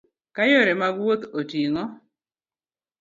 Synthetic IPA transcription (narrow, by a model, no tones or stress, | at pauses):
kajoɾemaɡwot̪otiŋɔ